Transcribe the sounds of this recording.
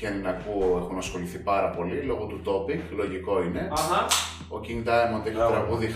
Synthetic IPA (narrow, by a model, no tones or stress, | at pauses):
ennɐkuoexunɐsxo̞liθipɐɾɐpo̞lilo̞ɣo̞t̪ut̪o̞piŋɡlo̞ʝiko̞ine̞ɦa | o̞ciŋt̪ɐemot̪ikɐt̪ɾɐɣuði